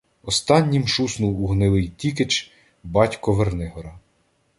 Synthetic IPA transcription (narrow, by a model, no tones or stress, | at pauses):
ɔst̪ɑnʲːimʃusnuwuɦnɪlˠɪjtʲiket͡ʃ | bɑtʲkɔʋernɪɦɔɾɐ